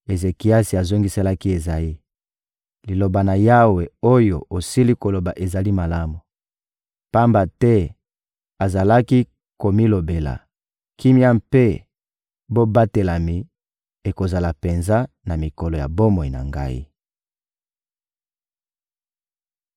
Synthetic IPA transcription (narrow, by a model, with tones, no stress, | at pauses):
e˨ze˨ki˨a˦si˨a˨zo˦ŋɡi˦se˦la˦ki˦e˨za˨i˦ | li˨lo˨ba˨na˨ja˦we˨o˦jo˨o˨si˦li˦ko˨lo˨ba˨ʔe˨za˨li˦ma˨la˦mu˨ | pa˦mba˨tɛ˦ | a˨za˨la˦ki˦ | ko˨mi˦lo˨be˨la̰˨ | kʰi˦mi˦a˦mpe˦ | bo˦ba˦te˨la˨mi˨ | e˨ko˨za˨la˨pe˨nza˦ | na˨mi˨ko˨lo˨ja̰˨bo˦mo˨i˨na̰˨ŋɡa̰˦ḭ˦